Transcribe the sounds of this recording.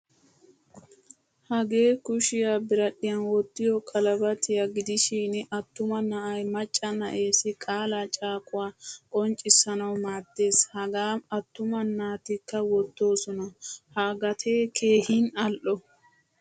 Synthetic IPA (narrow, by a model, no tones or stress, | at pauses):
hɐɡe̞ːkʊʃɪjabɪɾɐɗɪjɐnwɔt̪ːɪjɔkʼɐlɐbɐt̪ɪjɐɡɪd̪ɪʃiːnʔɐt̪ːʊmɐnɐʔɐjmɐt͡ʃʼːɐnɐʔe̞ːsɪkʼaːlat͡ʃʼaːkʼʊwaːkʼɔnt͡ʃʼːɪsːɐnɐwmaːt̪ːe̞ːshɐɡaːmɐt̪ːʊmɐnːaːt̪ɪkːɐwɔt̪ːo̞ːsɔnɐhaːɡɐt̪ʰe̞ːkʰe̞ːhinɐlʔɔ